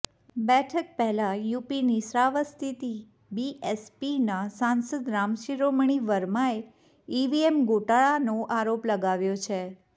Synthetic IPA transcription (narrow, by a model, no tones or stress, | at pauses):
bɛʈʰək̚pɛɦlajupinisɾaʋəst̪ʰit̪i | biʔɛspinasãnsəd̪ɾamʃiɾomɳ̃iʋəɾmae | iʋiemɡoʈaɭanoʔaɾopləɡaʋjot͡ʃʰe